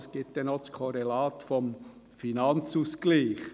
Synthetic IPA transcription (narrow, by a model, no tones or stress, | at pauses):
sɡ̥ɪt̚d̪ɛnoskʰɔɾelaːt̪fɔmfinɑnt͡suːskliːχ